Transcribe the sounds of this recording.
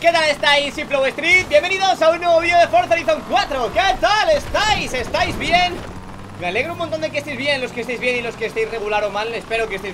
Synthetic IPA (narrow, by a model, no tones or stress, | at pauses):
ke̞t̪alest̪ajsiplowest̪ɾit̪̚bje̞mbeniðo̞saunːweβoβioðefo̞ɾθaɾiθoŋkwat̪ɾoket̪ale̞st̪ajse̞st̪ajzβje̞n | me̞ale̞ɣ̞ɾoumõnt̪ond̪ekest̪ejzβjennlo̞skest̪ejzβjenilo̞skest̪ejsre̞ɣulaɾomalːespe̞ɾoke̞st̪ez